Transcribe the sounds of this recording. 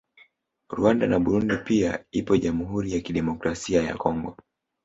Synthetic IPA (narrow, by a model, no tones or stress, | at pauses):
ɾwandanaɓuɾundipiaipɔʄamuhuɾijakiɗɛmɔkɾasiaja̰kʰɔŋɡɔ